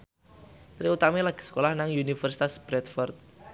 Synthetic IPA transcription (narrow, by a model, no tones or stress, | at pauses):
t̪ɾiut̪amelaɡ̥ə̤̥sə̥kolahnaŋjunifərsi̥t̪asb̥ɾɛt̪fɔrt̪̚